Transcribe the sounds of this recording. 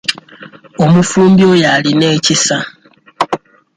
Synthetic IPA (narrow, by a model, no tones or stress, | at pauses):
omufuːmbjojalinecisa